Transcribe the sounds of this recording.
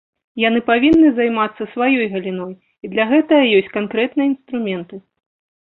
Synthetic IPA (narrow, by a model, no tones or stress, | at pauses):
jan̪ɨpavʲinːɨzajmat̪sːɐsvajɔjɣɐlʲinɔj | id̪lʲɐɣɛt̪ɐjɐjɔsʲt͡sʲkankɾɛt̪nɨjɐinst̪ɾumʲɛnt̪ɨ